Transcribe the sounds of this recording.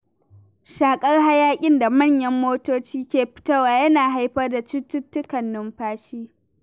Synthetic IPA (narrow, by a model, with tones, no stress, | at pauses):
ʃaː˨kʼɐ˦rha˦jaː˦kʲʼɪ˦nda˨mɐ˦˨ɲjɐ˦mːoː˦toː˦t͡ʃiː˦kʲeː˨ɸɪ̥˦tɐ˦waː˨jɐ˦naː˨ɦa˦jɸɐ˦rda˨t͡ʃɪ˦tːʊ˦tːʊ˦kɐ˨nːʊ˦mɸaː˦ʃiː˦